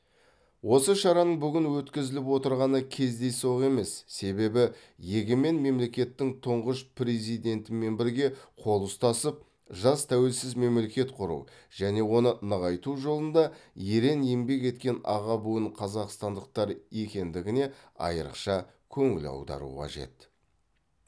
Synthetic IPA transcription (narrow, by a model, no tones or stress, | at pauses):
wo̞səʃɑɾɑnəɴbʏɡʲɪnwɵt̪kʲɪzɪlɪp̬wo̞t̪əɾʁɑnəkʲʰe̞zd̪e̞jso̞ʁe̞me̞sːe̞be̞bɪje̞ɡʲɪme̞nme̞mle̞kʲe̞t̪ːɪŋt̪ʰʊɴʁəʃpre̞zijd̪e̞nt̪ɪme̞nbɪɾɡʲe̞qʰo̞lˠʊst̪ɑsəp̚ | ʒɑst̪ʰæwe̞lsɪzme̞mle̞kʲe̞t̪qʰʊɾṵw | ʒ̥æne̞wo̞nənəʁɑjt̪uʒo̞lˠənd̪ɑje̞ɾe̞nimbe̞k̬ʲe̞t̪kʲe̞nɑ̰ʁɑbuəɴqʰɑzɑqst̪ɑnd̪əq̚t̪ɑɾje̞kʲe̞nd̪ɪɡʲɪne̞ɑ̰jə̰ɾə̰qʃɑ | kʲʰɵŋɪ̰lɑ̰wd̪ɑ̰ɾṵqʰɑ̰ʒe̞̰t̪